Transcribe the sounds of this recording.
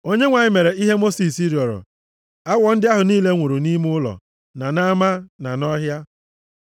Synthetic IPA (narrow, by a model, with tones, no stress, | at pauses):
o˦ɲe˦ŋʷa˨ɲɪ˦me˨ɾe˨i˦ɦe˦mo˦si˨si˦ɾɔ˨ɾʊ̰˨ | a˦wɔ˨n̩˦dɪ˦a˦ɦʊ˨niː˦le˦ŋʷu˨ɾu˨ni˦m˦ʊ˦lɔ̰˨ | na˨na˦ma˦na˨nɔ˦ɦja˦